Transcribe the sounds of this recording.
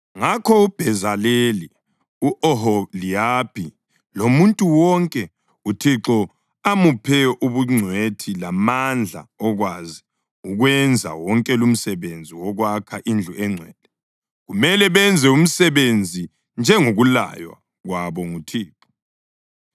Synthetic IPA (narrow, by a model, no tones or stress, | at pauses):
ŋakʰɔub̥ʱɛzaleli | uʔɔɦɔliapʰi | lomuntʼuwɔŋkʼɛ | utʰiǁɔ | amupʰɛʔuβuŋ͡ǀʱwetʰilamand͡ɮʱa̰ɔɣwazi | uɣwɛnd͡zʱa̰wɔŋkʼɛlum̩sɛβend͡zʱiwɔɣwakʰaʔind͡ɮʱuɛŋ͡ǀʱwɛːd̥ʱɛ | ɣumɛlɛβɛnd͡zʱɛum̩sɛβend͡zʱi | nd͡ʒʱɛŋoɣula̰jwa̰ | ɣwaβɔŋutʰiːǁɔ̥